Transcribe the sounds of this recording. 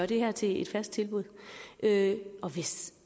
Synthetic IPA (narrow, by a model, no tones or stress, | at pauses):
ɶɐɾ̥e̝hæɐ̰t͡sʰe̝ed̥fæsd̥̚t͡sʰe̝lb̥uð̞̰ˠʔøɒ̽ʋe̝s